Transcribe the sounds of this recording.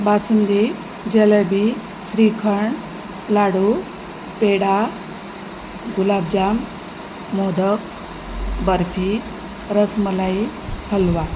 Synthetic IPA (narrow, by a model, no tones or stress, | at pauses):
basund̪i | d͡ʑeləbi | sɾikʰəɳ | laɽu | peɽa | ɡulab̚d͡ʑamː | od̪ək̚ | bəɾfʰi | ɾəsməlai | həlʋa